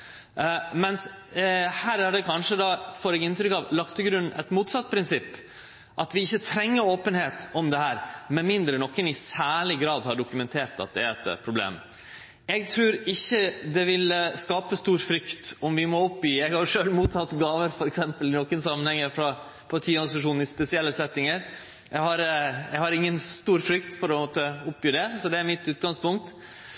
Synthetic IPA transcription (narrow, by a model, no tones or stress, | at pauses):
mɛns | hæːɾæɖɛkʰɑnʂəd̪ɑfɔɾɛɡɪnt̪ɾʏkɑʋlɑkt̪ʰlɡɾʉnʔɛ̰t̪muːt̪sɑt̪̚ːpʰɾɪnsɪpː | ʔɑt̪ʋɪɪçːət̪ʰɾɛŋːəɾoːpənheːt̪ɔmd̪ɛhæːɾmɛnmɪnd̪ɾənɔkːənɪsæːɭɪɡɾɑːd̪hɑɖʊkʉmɛnt̪ʰeːɾt̪ɑ̰t̪̚d̪ɛɛt̪pʰɾʊblḛːm | ɛɡ̚t̪ʰɾʉːɾɪçːəd̪ɛʋɪlskɑːpəst̪uːɾfɾʏkt̪ɔmʋɪmɔʊpːjyːɛɡhɑʂøːlmuːt̪ʰːɑt̪ːɡɑːʋəɾfɔɾɛksɛmpəlɪnɔkːənsɑmːənhɛŋːəfɾɑ | pʰɑt̪ʰiːɑɾsɑʂ̬uːn̩ɪspɛsɪɛlːəsɛt̪ːɪŋəɾ | jɛɡhɑɾɛɡhɑɾɪŋːənst̪uːɾfɾʏkt̪pʰɔɾɔmoːt̪əʊpːjyːɖ̪ɛsɔd̪ɛæɾmɪt̪ʉːt̪̚ɡɑŋspʊŋk̚t̪